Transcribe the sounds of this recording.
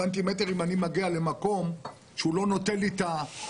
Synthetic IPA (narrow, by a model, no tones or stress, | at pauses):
ant̪̬imeteʁimanimaɡiale̞mako̞m | ʃeulo̞no̞telita